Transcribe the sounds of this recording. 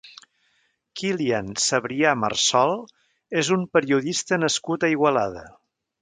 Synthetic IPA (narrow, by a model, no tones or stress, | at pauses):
kiliansəβɾiamə̰rsɔlˠ | ezumpəɾiuðist̪ənəskut̪əiɣwəlaðə̰